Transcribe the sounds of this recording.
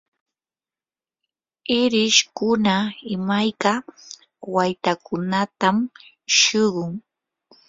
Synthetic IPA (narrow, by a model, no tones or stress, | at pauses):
ɪɾɪʃkʊnaɪmajka | wajt̪akʊnat̪am | ʃɪɢʊŋ